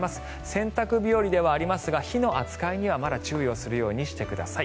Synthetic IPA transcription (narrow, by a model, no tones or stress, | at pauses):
masɨ̥ | sẽ̞nt̪akɯ̟bʲioɾʲid̪e̞βaːɾʲimasɨɡaçino̞ʔat͡sɨ̥kaiɲ̟iβamad̪at͡ɕɨːjo̞ːsɨɾɯ̟jo̞ːɲ̟iɕi̥t̪e̞kɯ̟d̪a̰sai